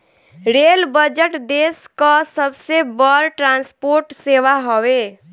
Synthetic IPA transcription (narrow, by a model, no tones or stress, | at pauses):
ɾelbəd͡ʒəʈd̪eskəsəbsebəɾʈɾãnspoɾʈseʋaɦɔwe